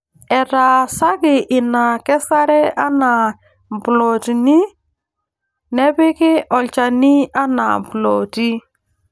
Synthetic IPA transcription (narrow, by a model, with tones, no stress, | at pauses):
ɛ˨ɾa˨sa˦ɡɪ˨ʔɪ˨na˨kɛ˦sa˦ɾɛ˦ʔa˦na˨ | m˨plɔ˨ti˨ni˦ | nɛ˦bɪ˦kɪ˦ʔɔ˨lt͡ʃa˨ni˦a˦na̰˨m˨blɔ˨ti˦